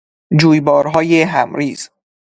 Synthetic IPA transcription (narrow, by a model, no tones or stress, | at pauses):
d͡ʒuːjbɒːɾɦɒːjeɦæmɾiːz̥